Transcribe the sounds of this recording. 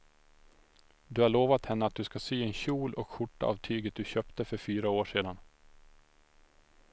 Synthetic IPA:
d̪ɵhaɭoːvat̪hɛnːəat̪̚d̪ɵskasyːɛnɕuːlɔkɧʊʈːa̰ʔa̰vt̪ʰyːɡət̪̚d̪ɵɕœːpt̪əfœɾfyːɾaoːʂeːd̪an

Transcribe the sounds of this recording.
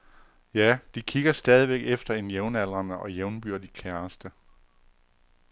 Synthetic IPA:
jæd̥ikʰiɡ̥ɐsd̥ɛːð̞ˠiʋeɡ̥efd̥ɐe̝njeʊnælʁɐnəʔɒ̽jeʊnb̥yɐ̰d̥i̥kʰæɐsd̥ə

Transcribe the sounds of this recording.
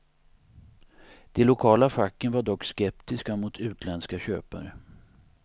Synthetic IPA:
d̪̥ɛlʊkʰɑːlafakːənvaɖɔkːskɛpt̪ɪskamʊt̪ʰʉ̟ːt̪ʰlɛnskaɕøːpa̰ɾə

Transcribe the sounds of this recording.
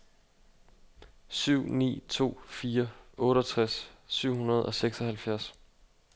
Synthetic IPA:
syʊ̰nḭːt͡sʰo̝̰ːfiːɐɔ̽ːɾɒt͡sʰʁasːyʊ̰hunɐð̞̩ˠɒ̽seɡ̥sɒhælfjæɐs

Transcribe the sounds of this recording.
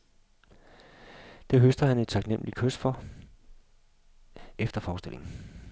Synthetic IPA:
d̥e̝ɦøsd̥ɐhæne̝d̥̚t͡sʰɑ̈ɡ̥nem̰likʰøsfɒ | efd̥ɐfɒːsd̥e̝l̰ʔe̝ŋn̩

